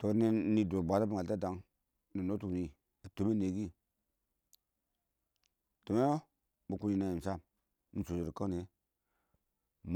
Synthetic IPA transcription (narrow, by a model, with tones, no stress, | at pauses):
to˨˦n˦ni˦do˨bʷa˨˦ta˦bi˦ŋa˨lta˦da˨ŋ | ni˨no˦tu˨ni˦ | a˨to˨me˦ne˨ɡi˦ | to˨me˦ | bu˨ku˦ni˨na˦ji˨m˨sa˦˨m | ni˦so˨so˨ɾkə˦ne˨ | m